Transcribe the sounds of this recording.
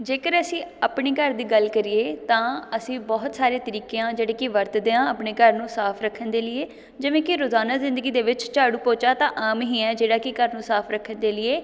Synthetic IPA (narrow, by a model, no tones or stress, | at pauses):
d͡ʒeːkəɾəsĩːəpɳiːkəɾd̪iːɡəlkəɾieːt̪ãːəsĩːbɔːt̪saːɾeːt̪əɾiːkeãːd͡ʒeːɽeːkɪʋəɾt̪d̪eːãːəpɳeːkəɾnũːsaːpʰɾəkʰːənd̪eːlɪeː | d͡ʒɪʋẽːkɪɾoːzaːnaːzɪ̃nd̪əɡiːd̪eːʋɪt͡ʃt͡ʃaːɽuːpoːt͡ʃaːt̪ãːʔaːmɦĩːɛːd͡ʒeːɽaːkɪkəɾnũːsaːpʰɾəkʰːənd̪eːlɪeː